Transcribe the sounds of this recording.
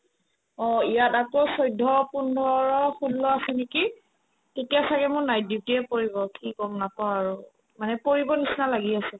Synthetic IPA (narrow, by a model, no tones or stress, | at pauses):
ɔijatakosɔjdʱɔpundʱɔɹɔxudːɔasɛneki | tetijasakɛmʊnaj̚dip̚tiɛpoɹibɔkikɔmnapawaɹu | manɛpoɹibɔnisnalaɡiasɛ